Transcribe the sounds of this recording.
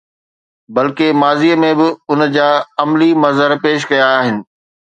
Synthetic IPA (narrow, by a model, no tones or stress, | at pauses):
bɐlkemaːziːəmẽbɪʊnd͡ʑaːɐmlimɐzəɾpeːʃ̬kɐjaːɦɪnɪ̆